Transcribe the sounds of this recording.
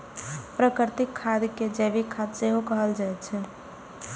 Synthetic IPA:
pɾəkɾt̪ikʰːad̪ked͡ʒɛbikʰːad̪seɦokəɦəld͡ʒaɛt̪t͡ʃʰɛ

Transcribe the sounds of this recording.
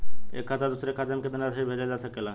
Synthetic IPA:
ḛkʰːat̪ad̪usɾekʰad̪əmked̪ənat̪ʰəibʱed͡ʒad͡ʒasəkela

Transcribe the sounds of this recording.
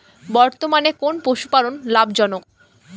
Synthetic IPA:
bɔɾt̪omanekonpoʃu̥palonlabd͡ʑɔnok̚

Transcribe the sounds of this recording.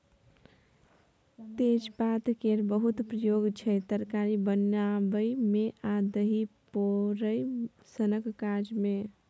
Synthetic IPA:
t̪ed͡ʒbat̪keɾbəɦut̪pɾəjoɡt͡ʃʰɛt̪əɾkaɾibənabəjmeʔad̪əɦipoɾəj | sənəkkad͡ʒme

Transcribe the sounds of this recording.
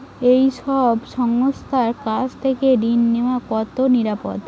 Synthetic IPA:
ejʃɔbʃɔŋost̪ʰaɾkat͡ɕt̪ʰeked̪inːeoakɔt̪oniɾapo̰d̪

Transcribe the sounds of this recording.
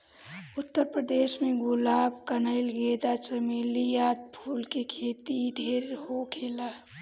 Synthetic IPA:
ʊt̪ːəɾpɾəd̪eːsmẽɡʊlaːbkənəɪlɡed̪at͡ʃəmelijaːt̪̚pʰuːlkekʰeːt̪id̪ʱeːɾɦokʰeːlaː

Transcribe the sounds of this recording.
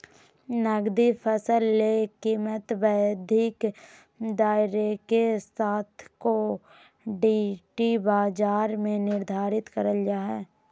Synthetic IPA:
nəɡd̪ipʰəsəlːekiːmət̪bəjəd̪ʱɪk | d̪aːɪɾekesaːt̪ʰko | ɖiʈibaːd͡ʒaːɾmẽnɪɾd̪ʱaːɾɪt̪kəɾəljaːɦɛː

